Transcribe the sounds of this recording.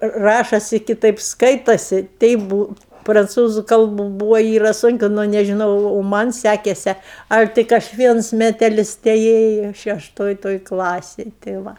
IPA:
ˈrɑːʃoːsʲɪ kʲɪˈtɐɪp ˈskɐɪtoːsʲɪ ˈtʲɛɪp ˈbuː prɐnˈt͡suːzʊ ˈkɐlˠbʊ ˈbuːʋoː ˈiːrɐ ˈsʊŋʲkʲɪ nʊ nʲɛʒʲɪˈnɐʊ oː ˈmɐn sʲækʲɛsʲɛ ˈɐlʲ ˈtʲɪk ɐʃ ˈʋʲiɛns mʲɛtʲɛˈlʲɪs tʲɛˈeːjʊ ʃʲɛʃˈtoːj ˈtoːj ˈklˠɑːsʲeːj tʲeː ˈʋɐ

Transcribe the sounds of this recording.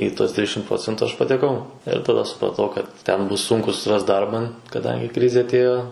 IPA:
iː tuɔs ˈtʲrʲɪʃʲɪm ˈproːt͡sʲɛntʊ ɐʃ pɐtʲɛˈkɐʊ ɪr tɐˈdɐ sʊprɐˈtɐʊ kɐt ˈtʲɛn ˈbʊs ˈsʊŋkʊ sʊsʲɪˈrɐst ˈdɐrbɐ kɐˈdɐŋʲɡʲɪ ˈkrʲɪzʲeː ɐˈtʲeːjoː

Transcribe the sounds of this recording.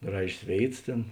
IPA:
ˈɡrɑːʒʲeːs ˈʋʲeːɪts ˈtʲeːn

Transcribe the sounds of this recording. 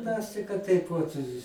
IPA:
ˈmʲɛs tɐɪ kɐt ˈtɐɪp ʋɐt

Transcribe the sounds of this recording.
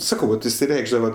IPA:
ˈsɑːkɐʊ ʋɐt ɪʃʲsʲɪˈrʲɛɪɡʒdɐʋɐ

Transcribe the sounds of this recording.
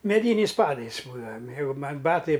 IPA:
mʲɛˈdʲiːnʲɛɪs ˈpɑːdɐɪs ˈbuːdɐʋɐ ˈjɛɪɡʊ ˈmɐnʲ ˈbɑːtɐɪ

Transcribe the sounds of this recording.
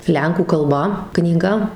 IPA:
ˈlʲɛŋkuː kɐlˠˈbɐ knʲiːˈɡɐ

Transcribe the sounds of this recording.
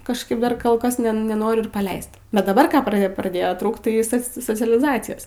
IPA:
kɐʃˈkɐɪp ˈdɐr ˈkoːlˠ ˈkɐs nʲɛ nʲɛˈnoːrʲʊ ɪr pɐˈlʲɛɪst bʲɛt dɐˈbɐr ˈkɑː prɐ prɐˈdʲeːjoː ˈtruːkt tɐɪ ˈsɐs soːt͡sʲɛlʲɪˈzɑːt͡sʲɪjoːs

